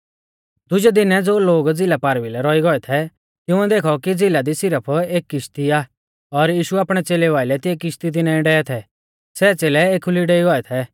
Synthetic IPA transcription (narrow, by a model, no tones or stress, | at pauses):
d̪ʊd͡ʒɛd̪ɪnɛd͡zoːloːɡd͡zɪlapaːɾʋilɛɾɔiɡɔɛt̪ʰɛ | t̪jʊ̃ɛd̪eːkʰɔkid͡zɪlad̪isɪɾəpʰeːkːɪʃt̪iaː | ɔɾjiːʃuaːpɽ̃ɛt͡seːlɛʋaːɪlɛt̪ɪɛkɪʃt̪it̪̬ɪnɛɪ̃ɖɛɛt̪ʰɛ | sɛːt͡seːlɛeːkʰʊliɖeiɡɔɛt̪ʰɛ